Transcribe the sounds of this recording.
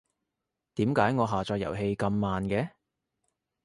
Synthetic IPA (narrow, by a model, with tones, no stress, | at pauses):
t̪iː˨˥mkaː˨˥jŋɔː˨˧ɦaː˨t͡ʃɔː˧kjɐ̰˨˩wɦe˧jkɐ˧mːaː˨nkɛː˨˥